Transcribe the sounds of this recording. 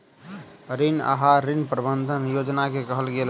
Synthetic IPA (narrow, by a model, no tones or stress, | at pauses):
ɾina̰ɦaɾinpɾəbənd̪ʱənjod͡ʒnakekəɦəlɡel